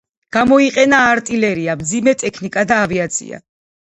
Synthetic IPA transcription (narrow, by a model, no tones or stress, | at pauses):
ɡ̥amɔiqʼɛnaːɾt̪ʼilɛɾiamd̪zimɛt̪ʼɛkʰnikʼad̪aːviat̪sʰḭa̰